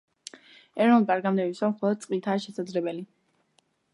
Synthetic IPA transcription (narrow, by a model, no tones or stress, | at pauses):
ɛɾɔnulˠp̪ʼaɾɡamd̪ɛvisamχɔlˠɔd̪̚t̪sʼqʼit̪ʰaːʃɛsad̪zlɛbɛli